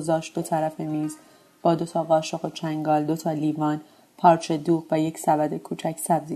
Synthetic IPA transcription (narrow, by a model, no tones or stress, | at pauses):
zɒːʃt̪̚d̪̥ot̪ʰæɾæfemiːz | b̥ɒːd̪o̞t̪ʰɒːɣɒːʃoɣot͡ʃʰæŋɡɒːld̪o̞t̪ʰɒːliːvɒːn | pʰɒːɾt͡ʃʰe̞d̪uːʁvæjecsævæd̪e̞kʰuːt͡ʃʰæcsæbzi